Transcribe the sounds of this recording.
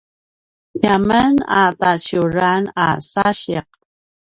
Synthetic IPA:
jaməna̰t̪at͡ʃuɾanasaɕeq̚

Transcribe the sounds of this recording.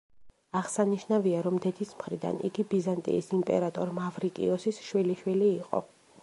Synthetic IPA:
aʁsaniʃnaviaɾɔmd̪ɛd̪ismχɾid̪a̰nḭɡibizant̪ʼḭːsimpʼɛ̰ɾat̪ʼɔɾmavɾikʼḭɔsisʃwiliʃwiliːqʼɔ̰

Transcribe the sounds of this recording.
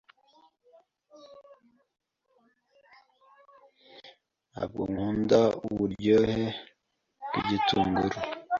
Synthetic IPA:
a̰b̚ɡo̰ŋhuːndauβuɾɟohe | kiɟituːŋɡuɾo

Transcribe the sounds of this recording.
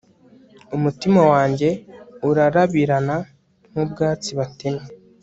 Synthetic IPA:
umutimawaːɲɟe̞uɾaɾaβiɾana | nubɡaːt͡siβateme

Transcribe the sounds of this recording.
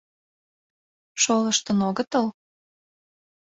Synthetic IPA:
ʃoləʃt̪ənoɣət̪əl

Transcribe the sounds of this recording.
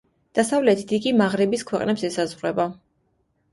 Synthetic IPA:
d̪̥asavlɛt̪ʰid̪̥iɡimaʁɾɛbiskʰwɛqʼnɛpsɛsazʁɾɛba

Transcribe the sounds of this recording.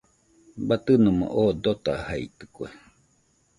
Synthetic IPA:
bat̪ɨnomo̰ʔod̪ot̪a̰haḭt̪ɨ̥kue

